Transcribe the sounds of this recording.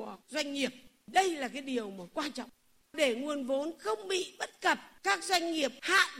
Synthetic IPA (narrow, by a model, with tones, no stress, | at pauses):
əzwa˧jŋ̟ŋi˨˩əp̚ | ɗə˧jlaː˨˩k̬aː˨˦jɗi˨˩əwmaː˨˩kwaː˧nt͡ɕɔ̰˧˨wŋ͡m | ɗe˧˩ŋu˨˩ənvo˨˦nxə˧wŋ͡mɓḭ˧˨ɓə˦˥t̚kə˨˩p̚kaː˦˥k̚zwa˧jŋ̟ŋi˨˩əp̚ha̰ː˧˨